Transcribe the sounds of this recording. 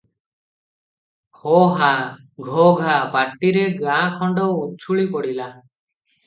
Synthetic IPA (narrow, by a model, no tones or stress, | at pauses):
hɔɦa | ɡʱɔɡʱapaʈːiɾeɡãkʰɔɳɖɔwut͡ʃʰuɭipɔɽila